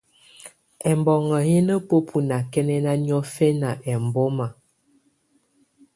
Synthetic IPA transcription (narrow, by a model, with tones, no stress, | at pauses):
ɛ˨mbɔ˨ŋə˨je˦nə˦po˦pʰu˨na˨kɛ˦nɛ˦na˦n˦ɔ˦fɛ˦na˨ʔɛ˨m˨bɔ˦ma˨